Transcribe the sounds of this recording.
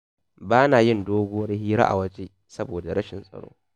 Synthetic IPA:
baː˦naː˨jɪ˦˨ndoː˦ɡʷo˦wɐ˦rhiː˦ɾa̰˦ʔa̰˨wɐ˦t͡ʃe˦ | sɐ˦boː˨da˨ɽɐ˦ʃɪ˨nsʼɐ̰˨ɽo̰ː˦

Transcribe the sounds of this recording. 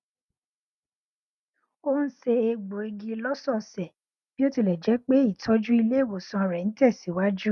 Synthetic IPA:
o˦n̩˦se˧e˧ɡ͡bo˨e˧ɡi˧lɔ˦sɔ̃˦˧sɛ˨ | b̥i˦o˦ti˧˨lɛ˨d͡ʒɛ˨˦k͡pe˦i˦˨tʰɔ˨˦d͡ʒu˦i˧le˦e˦˨wo˨sɔ̃˧a˨ɾɛ˨ñ̩˦tɛ˦˨si˨˦wa˦d͡ʒu˦

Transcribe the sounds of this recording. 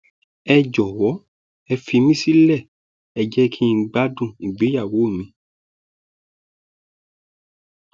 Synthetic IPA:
ɛ˧d͡ʒɔ˨wɔ˨˦ | ɛ˧fi˧mĩ˦si˦lɛ˦˨ | ɛ˧d͡ʒɛ˦kʰi˦˧˦ɡ͡ba˦dũ˦˨i˨ɡ͡be˨˦ja˦˨wo˨˦˨mĩ˧˦

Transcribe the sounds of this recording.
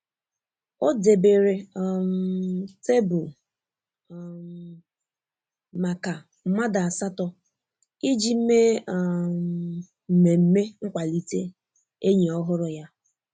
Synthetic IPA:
o˦de˨be˨ɾe˨mte˦bʊ˨ | m̩˨ | ma˨ka˨ | m̩˦ma˦da˨a˨sa˦tɔ˦ | i˦d͡ʒi˦m̩˦me˦˨ | m̩˨me˨m̩˦me˦ŋ̩˦kʷa˨li˦tḛ˦ | e˦ɲe˨ɔ˦ɦʊ˦ɾʊ˨ja˦

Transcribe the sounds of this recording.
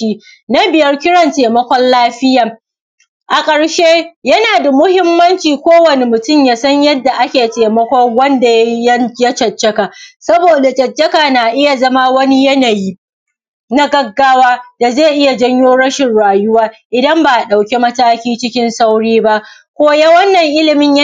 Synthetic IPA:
iː˦ | na˦bɪ˨jɐ˦rkʲɪ˦ɽɐ˨nteː˨mɐ˦kʷɔ˦nlaː˦ɸɪ˦ja˨ | ʔa˨kʼɐ˨ɽʃeː˦jɐ˦naː˨da˨mʊ˦hɪ˦mːɐ˦nt͡ʃiː˨kʷoː˦wɐ˨ne˨mʊ˨tʊ˦˨mjaː˨sɐ˦ɲjɐ˦dːa˨ʔa˦kʲeː˨teː˨mɐ˦kʷɔ˦ŋwɐ˦nda˨˦jɐ˦ja˦t͡ʃɐ˨t͡ʃːɐ˦ka˨ʔsɐ˦boː˨da˨t͡ʃɐ˨t͡ʃːɐ˦kaː˨na˨ʔɪ˦ja˨zɐ˦ma˦wɐ˦ni˦jɐ˦na˨jiː˦ | na˦ɡɐ˦ɡːaː˦waː˦d̥a˨zeː˦˨ʔɪ˦ja˨d͡ʒɐ˦ɲjoː˦ɽɐ˦ʃɪ˨nɽaː˨jʊ˦waː˦ʔɪ˨dɐ˦mba˨ʔɗa˨wkʲe˦mɐ˦taː˦kʲiː˦t͡ʃɪ˦kʲɪ˦nsa˦wɽiː˦ba˦ʔ | kʷoː˦ja˦wɐ˦nːɐ˨ŋʔɪ˦lɪ˨mɪ˦ɲj

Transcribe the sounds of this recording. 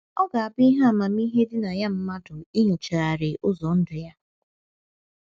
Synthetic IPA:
ɔ˦ɡa˨a˨bɪ˦i˦ɦa˦˨ma˨mi˦ɦe˦dɪ˦na˨ja˦m̩˦ma˦dʊ˨i˦ɲo˨t͡ʃa˨a˨ɾɪ˨ʔʊ˦zɔ˨n̩˦dʊ˨ja˦

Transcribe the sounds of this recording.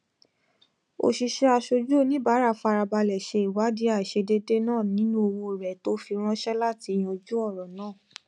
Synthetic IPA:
o̰˧˨ʃi˧ʃɛ˦a˧ʃo˧d͡ʒu˦o˦nĩ˦ba˨˦ɾa˧˨fa˧ɾa˧ba˧lɛ˨ʃe˧i˨wa˨˦di˨˦a˨ʃe˧de˦de˦nãː˦˨nĩ˦nũ˦o˧wo˧˨ɾɛ˨to˦fi˧ɾ̃ɔ̃˦ʃɛ˦la˦ti˧˨j̃ɔ̃˧d͡ʒu˦ɔ˦˨ɾɔ̃˨nãː˦˨

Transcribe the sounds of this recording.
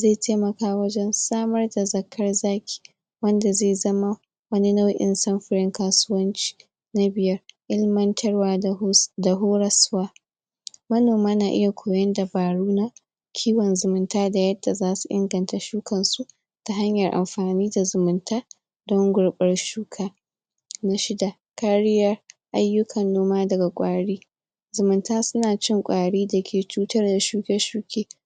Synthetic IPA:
zeː˦˨tʰeː˦mɐ˨kaː˦wɐ˦d͡ʒɛ˦nsaː˦mɐ˦rda˨zɐ˨kʰːɐ˦rzaː˦kʲʰi̥ː˨ | wɐ˦nda˨zeː˦˨zɐ˦ma˦ | wɐ˦ni˦na˦wʔɪ̰˦nsɐ˦mɸɪ˦ɾɪ˦ŋkaː˨sʊ˦wɐ˦nt͡ʃi̥ː˨ | na˦bɪ˨jɐ˦rʔɪ˦lmɐ˦ntʰɐ˦rwaː˦da˨ɦoː˦ɽɐ˦swaː˦ | mɐ˦noː˨maː˦naː˨ʔɪ̰˦ja˨kʷʰoː˨jɐ˦nda˨baː˨ɽuː˦na˦ | kʲʰiː˦wɔ˨nzʊ˨mʊ˦ntaː˦da˨jɐ˦dːa˨zaː˦su̥˨ʔɪ̰˦ŋɡɐ˨nta˨ʃuː˦kʰɐ˨nsu˦ | ta˦ɦa˦ɲjɐ˨rʔa̰˨mɸaː˨niː˦da˨zʊ˨mʊ˨ntaː˦ | dɔ˦ŋɡʷʊ˨ɽɓʼɐ˦rʃuː˦kʰaː˦ | na˦ʃɪ˦da˨ | ka˦ɽɪ˦jɐ˦rʔa˦jːʊ˦kʰɐ˨nːoː˦maː˦dɐ˨ɡa˨kʷʼaː˨ɽiː˦ | zʊ˨mʊ˨ntaː˦sʊ˦naː˨t͡ʃɪ˦ŋkʷʼaː˨ɽiː˦dɐ˨kʲʰeː˨t͡ʃuː˦tɐ˦rda˨ʃuː˦kʲɛ˦ʃuː˦kʲeː˦

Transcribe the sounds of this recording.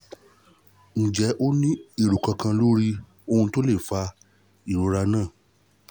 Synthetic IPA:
n̩˨d͡ʒɛ˨˦ʔo˦nĩ˦e˦˨ɾu˨kã˧kã˧lo˦ɾi˧ | o˧ũ˧to˦le˦˨fa˧ | i˨ɾo˨˧˦ɾa˧nãː˦˨

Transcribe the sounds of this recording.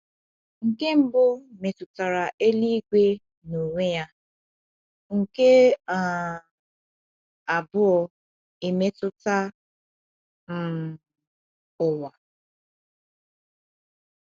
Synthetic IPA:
ŋ̩˨ke˦m̩˦bʊ˦me˨tʊ˨ta˨ɾa˨ʔe˦li˦ɡʷe˦ | no˨ŋʷe˦ja˦ | ŋ̩˨ke˦a˨ | a˨bʊ˦ɔ˨ | e˨me˦tʊ˦ta˦ | m̩˦˨ | ʊ˨wa˨

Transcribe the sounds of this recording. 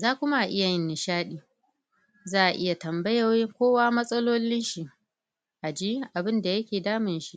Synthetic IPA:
zaː˦˨kʷʊ˦ma˦ʔa˨ʔɪ˦ja˨jɪ˦nːɪ˨ʃaː˦ɗiː˨ | zaː˦ʔa˨ʔɪ˦ja˨tɐ˨mbɐ˦ja˨jɪ˦ŋkʷoː˦waː˦mɐ˦sʼɐ˦loː˦lɪ˦nʃi˨ | ʔa˨d͡ʒi˦ʔa˨bɪ˦nda˨jɐ˦kʲeː˨daː˦mɪ˨nʃi˦ʔ

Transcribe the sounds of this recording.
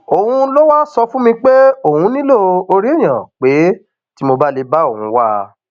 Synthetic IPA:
o˨hũ˧lo˦wa˦sɔ˧fũ˦mĩ˧k͡pe˦o˨hũ˧nĩ˦lo˦o˧ɾi˦e˦˨j̃ã˨k͡pe˨˦ | ti˦mo˧ba˦le˧ba˦o˦˨hũ˧˦wa˦˧

